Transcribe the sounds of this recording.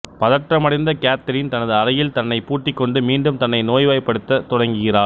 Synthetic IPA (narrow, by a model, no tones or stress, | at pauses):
pɐðɐʈrɐmɐɽɪnd̪ɐkaːt̪ːɐɾɪnt̪ɐnɐðɯɐɾɐjɪlt̪ɐnːɐɪpuːʈːɪkːɔɳɖɯmiːɳɖɯmt̪ɐnːɐɪnoːjʋɐɪpːɐɽɯt̪ːɐt̪ɔɽɐŋɡɯɣɪraː